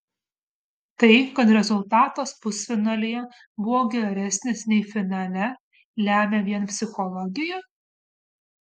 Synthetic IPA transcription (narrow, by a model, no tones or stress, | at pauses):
t̪ɐɪkɐt̪ɾʲɛzʊlˠt̪ɑːt̪ospʊsʲfʲɪnɑlʲɪjɛ | bʊʋoːɡʲɛɾʲɛsʲnʲɪsnʲɛɪfʲɪnɑlʲɛ | lʲæːmʲeːʋʲiɛnpʲsʲɪxɔlˠɔɡʲɪjɛ